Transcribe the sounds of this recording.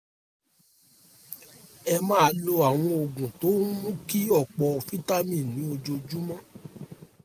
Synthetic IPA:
ɛ˧mãː˦a˨˧˦lo˧a˨w̃ɔ̃˧o˨ɡũ˨to˨˦mũ˦ki˦ɔ˦˨k͡pɔ˧fi˦ta˦mĩ˦˨nĩ˨˦o˧d͡ʒo˧d͡ʒu˦mã˦

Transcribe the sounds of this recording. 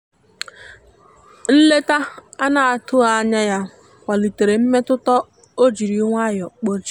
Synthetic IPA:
n̩˦le˦ta˦a˦na˨a˨tʊ˦a˨˦ɲa˦ja˦ | kʷa˨li˨te˨ɾe˨m̩˦me˦tʊ˦tɔ˦ | o˦d͡ʒi˨ɾi˨˦ŋʷ˦a˦jɔ˨k͡po˦t͡ʃi̥˦

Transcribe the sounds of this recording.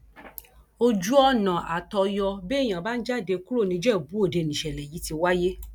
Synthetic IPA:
o˧d͡ʒu˦ɔ˦nã˨ʔa˨tɔ˧jɔ˧be˦˨j̃ã˨ba˦n̩˦d͡ʒa˦˨de˧ku˦ɾo˦˨nĩ˧˦d͡ʒɛ˦˨bu˨˦o˦˨de˧˨nĩ˨ʃɛ˨lɛ˨ji˨˦ti˧wa˦je˦

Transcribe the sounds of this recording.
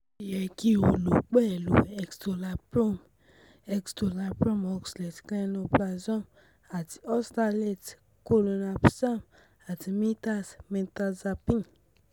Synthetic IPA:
jɛ˨ki˦o˨lo˨k͡pɛ˦˨lṵ˨ɛ˨ksto˨la˨po˦m | ɛ˦ksto˨la˨pɾɔ˦mɔ˦kslɛ˨tklɛ˦no˧pla˧zɔ˦˨m | a˨tɔ˦sta˦˧lɛ˦˨t | ko˦lo˧na˨psa˦m | a˨tmi˦ta˦smɛ̃˨nta˦za˧pĩ˦n

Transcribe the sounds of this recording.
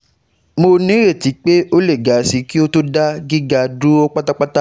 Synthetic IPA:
mo˧nĩ˨˦ɾe˦˨ti˨˦k͡pe˦o˦le˦˨ɡa˨˦˨si˨˦ki˦o˦to˦da˦ɡi˦ɡa˧du˦ɔ˦k͡pa˦ta˦k͡pa˦ta˦

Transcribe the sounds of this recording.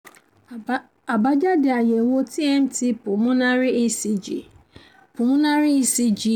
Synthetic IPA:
a˨ba˦d͡ʒa˦dɪ˨a˨je˨wo˦ti˦ɛ˦m̩˦tɪ˦pʊ˨mʊ̃˦na˦ɾɪ˦e˦si˦d͡ʒḭ˨ | pʊ˨mʊ̃˦na˦ɾɪ˦i˦si˦d͡ʒi˦

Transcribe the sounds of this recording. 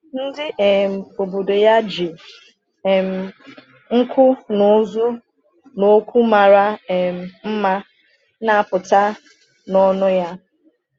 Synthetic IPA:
n̩˦dɪ˦ɛ˨m̩˨o˨bo˨do˨ja˦d͡ʒi˨ | m̩˨ | ŋ̩˦kʷʊ˦no˨˦zʊ˦ | no˦kʷu˦ma˨ɾa˦˨m̩˨m̩˦ma˦ | na˨pʊ˨ta˦ | nɔ˦nʊ˦ja˦

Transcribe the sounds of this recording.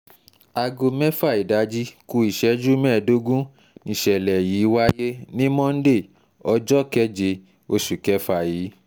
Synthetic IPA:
a˧ɡo˧mɛ̃˦fa˦˨i˨da˨˦d͡ʒi˦ku˧i˨ʃɛ˨˦d͡ʒu˦mɛ̃ː˦˨do˦ɡũ˦ | nĩ˧˨ʃɛ˨lɛ˨jiː˨˦wa˦je˦nĩ˦mɔ̃˦n̩˦de˦˨ | ɔ˧˦d͡ʒɔ˦kɛ˦d͡ʒe˧ | o˧ʃu˨kɛ˦fa˧˨jiː˨˦

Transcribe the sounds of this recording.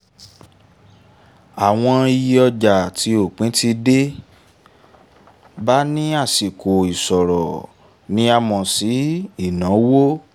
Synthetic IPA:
a˨w̃ɔ̃˧i˧ji˧ɔ˧d͡ʒa˨ti˧o˨k͡pĩ˨˦ti˧de˦ | ba˦nĩ˦a˦˨si˨kʰo˨i˨sɔ˨ɾɔ˨ | nĩ˦a˧mɔ̃˧si˨˦i˦˨nɔ̃˨˦wo˦

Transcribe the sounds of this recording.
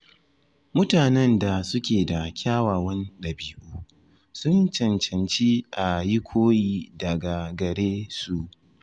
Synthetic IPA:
mʊ˦taː˨nɛ˦nda˨sʊ˦kʲeː˨da˨kʲʰaː˦waː˨wɐ˦nɗɐ˨biː˦ʔoː˦ | sʊ˦nt͡ʃɐ˨nt͡ʃɐ˨nt͡ʃi˦ʔa˨ji˦kʷʰoː˦jiː˦dɐ˨ɡa˨ɡɐ˨ɽeː˦su˨ʔ

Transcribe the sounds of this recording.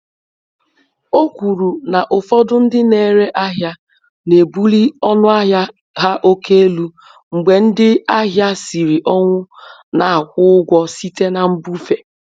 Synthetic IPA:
o˦kʷu˨ɾu˨na˨ʔʊ˨fɔ˦dʊ˦n̩˦dɪ˦ne˨ɾe˦ʔa˦ɦja˦ | ne˨bu˦li˦ɔ˦nʊ˦a˦ɦja˦ | ɦa˦ʔo˦ke˦e˦lu˦ | ŋ͡m̩˨ɡ͡be˨n̩˦dɪ˦a˦ɦja˦si˨ɾi˨ʔɔ˦ŋʷʊ˦na˨a˨kʷʊ˦ɡʷɔ˦si˦te˦na˨m̩˦bu˦fe˨

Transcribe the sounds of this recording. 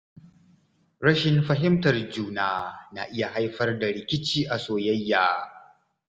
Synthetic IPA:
ɾɐ˦ʃɪ˨nɸɐ˦ɦɪ˦mtɐ˨rd͡ʒuː˦naː˦na̰ː˨ʔɪ˦ja˨ɦa˦jɸɐ˦rda˨ɽɪ˨kʲɪ˦t͡ʃiː˦ʔa˨soː˨jɐ˦jːaː˨

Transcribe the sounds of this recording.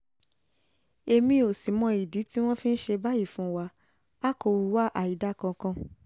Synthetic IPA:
e˧mĩ˧o˨si˨˦mɔ̃˨˧i˨di˨˦ti˦w̃ɔ̃˦fĩ˦n̩˦ʃe˧ba˦ji˦˨fũ˨˦˧wa˧˦ | a˦ko˧wu˧wa˦ʔa˨i˨˦da˦kã˧kã˧

